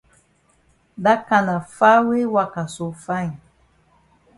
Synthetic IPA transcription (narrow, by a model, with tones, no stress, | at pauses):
da˦ka˨na˨fa˦we˦wa˦ka˨so˨fã˦j